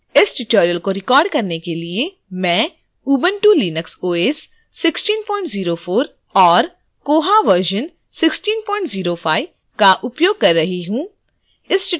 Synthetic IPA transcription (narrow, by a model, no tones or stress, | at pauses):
ɪsʈɪʈoːɾijəlkoɾɪkɔːɾɖkɐɾnekelie | mɛ̃ː | uːbənʈuːliːnəksoːeːsː | ɪksʈiːnpɔ̃ːɪ̃ɳʈziːɾofʰoːɾ | ɔːɾ | koːɦaʋəɾʒən | sɪksʈiːnpɔːɪɳʈziːɾofʰaːi | kaʔʊpjoːɡ̚kɐɾːɐɦiɦũː | ɪsʈ